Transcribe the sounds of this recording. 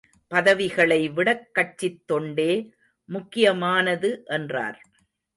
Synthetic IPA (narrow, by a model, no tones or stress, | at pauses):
pɐðɐʋɪɣɐɭɐɪʋɪɽɐkːɐt͡ʃːɪt̪ːɔɳɖeː | mʊkːɪjɐmaːnɐðɯʔɛndra̰ːɾ